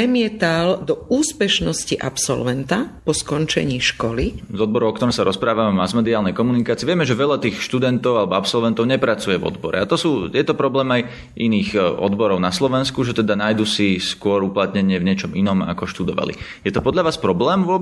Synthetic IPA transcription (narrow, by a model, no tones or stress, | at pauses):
ɛmɪɛt̪ald̪ɔuːspɛʃnɔsciʔa̰psɔ̰lʋɛnt̪apɔskɔnt͡ʃɛ̰ɲiːʃkɔlizɔd̪̚bɔɾɔʊɔkt̪ɔɾɔmsaɾɔspɾaːʋamɛmazmɛd̪iaːlnɛjkɔmunikaːt͡siɛʋɪɛmɛʒɛʋɛʎat̪iːxʃt̪ud̪ɛnt̪ɔʊalɛbɔapsɔlʋɛnt̪ɔʊɲɛpɾat͡sujɛvɔ̰d̪bɔɾɛ̰at̪ɔsuːjɛt̪ɔpɾɔblɛːmaj | iniːɣʔɔ̰d̪bɔɾɔʊnaslɔʋɛnskuʒɛt̪ɛd̪anajd̪usiskʊɔɾuplat̪ɲɛɲɪɛvɲɛt͡ʃɔminɔma̰kɔʃt̪ud̪ɔʋa̰lḭjɛt̪ɔpɔd̪ʎaʋaːspɾɔblɛːmvʊɔ